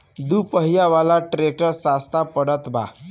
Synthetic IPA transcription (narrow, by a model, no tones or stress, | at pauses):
d̪upəɦijaʋalaʈɾek̚ʈəɾsast̪ʰapəɽət̪ba̰